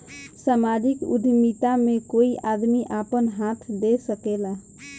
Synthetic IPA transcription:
samad͡ʒikṵd̪ʱmit̪amekoiʔad̪miʔapənɦat̪ʰd̪esəkela

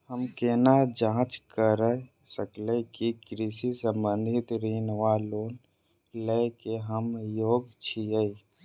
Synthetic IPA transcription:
həmkenad͡ʒãːt͡ʃkəɾə | səklekikɾisisə̃mbə̃nd̪ʱɪt̪ɾinʋaloːn | lekeɦəmjoːɡt͡ʃʰijəi

